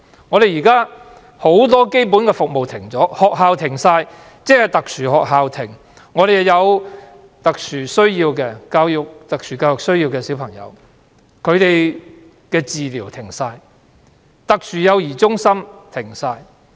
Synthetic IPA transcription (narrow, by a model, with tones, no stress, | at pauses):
ŋɔː˨˧ɾe˨ji˨˩kaː˥ | ho˨˥wt̪ɔː˥ke˥jp̬u˨˥nkɛː˧fʊ˨k̚mo˨wt̪ʰɪ˨˩ŋt͡sɔː˨˥hɔː˨k̚ɦaː˨wt̪ʰɪ˨˩ŋsaː˧j | t͡sɛː˥hɐ˨˩jt̪ɐ˨k̚syː˨˩hɔː˨k̚ɦaː˨wt̪ʰɪ˨˩ŋ | ŋɔː˨˧t̪e˨jhjɐ˨˧w | t̪ɐ˨k̚syː˨˩sɵ˥ɥjiː˧wkɛː˧kaː˧wjʊ˨k̚t̪ɐ˨k̚sʰyː˨˩kaː˧wjʊ˨ksɵ˥ɥjiː˧wkɛː˧si˨˥wpʰɐ˨˩ŋjɐ̰˨˧w | kʰɵ˨˧ɥt̪e˨j | kɛː˧t͡siː˨liː˨˩wt̪ʰɪ˨˩ŋsaː˧j | t̪ɐ˨k̚syː˨˩jɐ˨˧wjiː˨˩t͡sʊ˥ŋsɐ˥mt̪ʰɪ˨˩ŋsaː˧j